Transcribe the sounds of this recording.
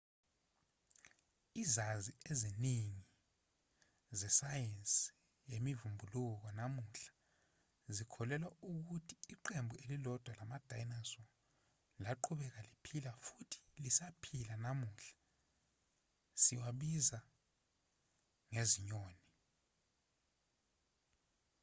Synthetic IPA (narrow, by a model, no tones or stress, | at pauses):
izazieziniŋi | zɛsajensʼi | jemivumbʱuluk̬ɔnamuɬḁ | zikʰɔlɛlwauk̬utʰi̥ːǃembʱuelilɔd̥ʱwalamad̥ʱajnasɔ | laǃʰuɓɛk̬alipʰilafutʰi̥lisapʰilanamuɬḁ | siwaɓiza | ŋeziɲoːni